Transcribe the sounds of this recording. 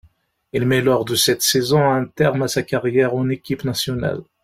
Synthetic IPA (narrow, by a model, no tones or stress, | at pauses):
ilmɛlɔʁd̪əsɛt̪sɛzɔ̃ɛ̃t̪ɛʁmasakaʁjɛʁɑ̃nekʲipnasjɔna̰l